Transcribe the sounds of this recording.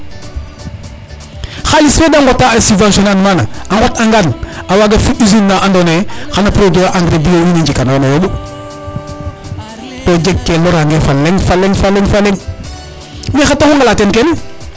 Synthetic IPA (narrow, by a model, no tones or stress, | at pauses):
xalisfedaŋɡotːaasivãnsonanmana̰aŋɡotaŋɡanawaɡafiizinːaʔandonexanapɾodoʔaŋɡɾebijowineɲd͡ʒikanonajobu | pod͡ʒekkːeloɾaŋɡefalːeŋfalːeŋfalːeŋfalːeŋ | mexatːaxuŋɡalatenken